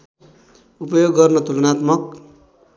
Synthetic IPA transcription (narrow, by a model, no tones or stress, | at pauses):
upʌjoɡːʌrnʌt̪ulʌnat̪mʌk